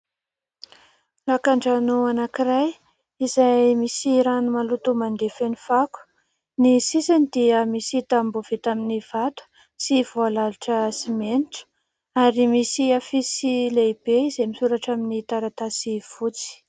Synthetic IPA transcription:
lakaɳɖ͡ʐanuanakiɾaj | izajmisiɾanumalut̪umand̪efenifaku̥ | nisisanid̪iəmisit̪ambuv̥et̪aminiv̥at̪u̥ | sivoalaliʈ͡ʂəsimeniʈ͡ʂə̥ | aɾimisiafisileibeizemisuɾaʈ͡ʂaminit̪aɾat̪asiv̥ut͡si̥

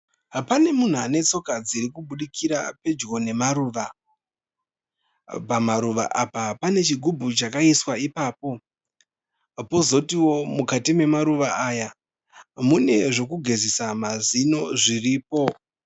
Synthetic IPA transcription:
pane̞mun̤uane̞t͡so̞kad͡ziɾikuɓuɗikʰiɾa̰pe̞d͡ʒɡo̞ne̞maɾuːʋa | pamaɾuʋa̰ʔapapane̞t͡ʃiɡʱubʱut͡ʃakaiswaipaːpo̞ | po̞zo̞tiwo̞mukatime̞maɾuʋaʔaːja | mune̞ʐo̞kuɡʱe̞zisamazino̞ʐiriːpo̞

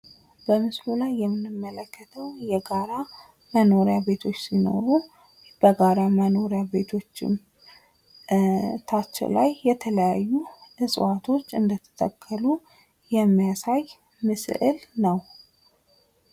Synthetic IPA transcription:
bəmɨslulajːɛmːɨnɨmːələkːət̪ʰəwjɛɡaɾa | məno̞ɾjabe̞t̪ʰo̞t͡ʃːsino̞̰ɾu | b̥əɡaɾaməno̞ɾjabe̞t̪ʰo̞t͡ʃːɪ̰m | t̪ʰat͡ʃːɛ̰lajːɛt̪ʰələjajːuʔɨsʼwat̪ʰo̞t͡ʃːɨnd̪ət̪ʰə̥t̪ʰʼə̰kʰːəlu | jɛmːijasaj | mɨsɨ̰ʔɨlnəw

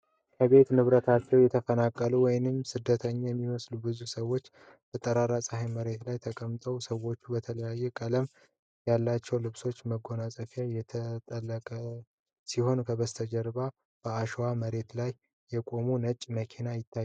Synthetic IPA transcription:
kʰəβe̞t̪nɨβɾət̪ʰat͡ʃːɛwjɛt̪ʰəfənakʼːəluwɔjnɨmsɨd̪ːət̪ʰəɲːajɛmːiməslubɨzusəwo̞t͡ʃː | b̥ət̪ʼːəɾaɾasʼəhajməɾe̞t̪lajt̪ʰəkʼəmt̪ʼəwsəwo̞t͡ʃːubət̪ʰələjajːɛkʼələm | jalːat͡ʃːɛwlɨβso̞t͡ʃːməɡo̞nasʼəfjajɛt̪ʰət̪ʼəlːəkʼə | siho̞nkʰəβəst̪ʰəd͡ʒəɾba | b̥əaʃwaməɾe̞t̪lajː | ɛkʼo̞munət͡ʃʼməkʰinajɪt̪ʰːaj

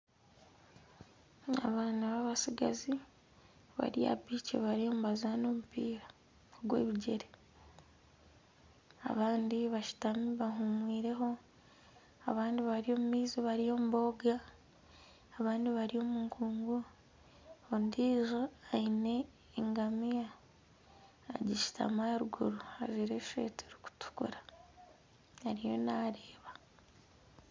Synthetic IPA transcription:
a̰βaːnaβaβasiɡa̰zi | βa̰ɾia̰biːcḛβaɾio̞ːmuβazano̞ːmupiːɾa | oɡwe̞̰ːβiɟe̞ɾe | a̰βaːndiβaʃu̥tamiβaɦumwiːɾe̞ɦo̞ | aβaːndiβaɾio̞ːmumiːziβaɾijo̞muβo̞ɡa | βaːndiβaɾio̞ːmuŋkʰuːŋɡu | ondiːʒoaine̞ː | ŋɡamija | ɟiʃi̥tʰa̰maɾuɡuɾua̰ʒiɾeʃḛːteɾi̥ku̥tʰu̥kṵɾa | aɾijo̞naːɾeːβa

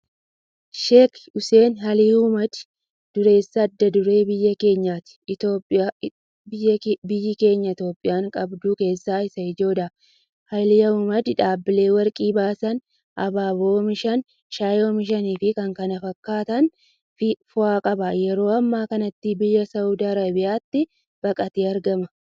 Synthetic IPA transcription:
ʃekʊse̞ːnɦɐlihʊmɐd̪ | d̪̥ʊɾe̞ːsːɐːd̪ːɐd̪ʊɾe̞ːbɪjːɐke̞ːɲːaːt̪ɪ̥t̪oːpʼa | ɪjːbɪjːɪke̞ːɲːɐɪt̪jo̞ːpʼːɪjaːŋkʼɐbd̪uːke̞ːsːaːɪsɐɪd͡ʒo̞ːd̪ɐ | hɐlɪjɐʊmɐd̪ɪᶑaːbːɪle̞ːwɐɾkʼiːbaːsɐn | ʔɐ̰baːboːmɪʃɐn | ʃaːjoːmɪʃ̬ɐniːfɪkɐŋkɐnɐfɐkːaːt̪ɐn | ɪfʊaːkʼɐbɐjɛɾo̞ːɐmːaːkɐnɐt̪ːɪbɪjːɐsɐwd̪aːɾɐbɪjaːt̪ːɪ | b̥ɐkʼɐt̪iːɐɾɡɐmɐ

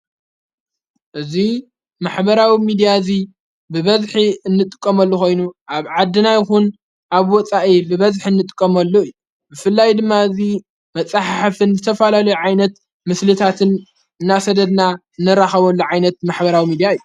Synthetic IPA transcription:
ʔɨzi | maħbɐɾawimid̪ijazi | bɨβɐzħiɨnːɨt̪ʼɨ̥kʼːɐmɐlːuxo̞jnuʔaβʕad̪ːɨnajxun | ʔaβwɔt͡sʼaʔibɨβɐzħiɨnːɨt̪ʼɨ̥kʼːɐmɐlːoɨjːu | bɨfɨlːajd̪ɨmːaɨzi | mɐt͡sʼaħaħafɨnzɨt̪ʰɐfalalɐjuʕajnɐt̪ | mɨslɨt̪ʰat̪ʰɨn | ɨnːasɐd̪ɐd̪na | ɨnːɐɾaxɐβɐlːuʕajnɐt̪̚maħbɐɾawimid̪ijaɨjːu

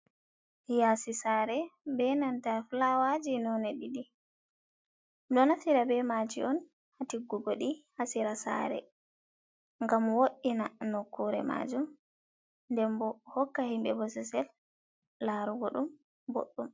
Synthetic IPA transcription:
hijasisaɾɛbɛnantaflawad͡ʒinɔnɛɗiɗi | ɗɔnasiɾabɛmad͡ʒiʔɔn | hatiɡːuboɗihasiɾasa̰ɾɛ̰ | ŋɡamwoɗːinanokːuɾɛ̰ma̰d͡ʒum | ndɛmbɔhɔkːahimbɛ̰bɔsɛsɛlː | aɾuɡɔɗum | bo̰ɗːum

